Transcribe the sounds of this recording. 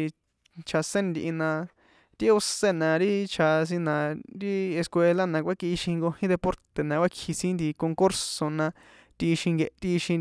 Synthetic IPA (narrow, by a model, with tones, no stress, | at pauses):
t͡ʃʰa˧sẽ˦nd̪i˧ʔi˧nã˧ | t̪i˦o˧se˦˨nã˧ɾi˦t͡ʃʰa˧s̬ĩ˧nã˧ɾi˦e˧skʷe˧la˦nã˧kʷa˦ki˧ʃĩ˧ŋɡo˧hĩ˦d̪e˧po˦ɾt̪e˨nã˧kʷa˦kʰi˧sĩ˦nd̪i˧ko˧ŋko˦ɾso˧˨nã˧ | t̪i˧ʃĩ˧ŋɡe˧ʔt̪i˦˧ʃĩ˧